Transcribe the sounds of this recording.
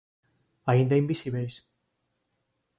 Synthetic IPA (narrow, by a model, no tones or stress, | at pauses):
aind̪aimbisiβejs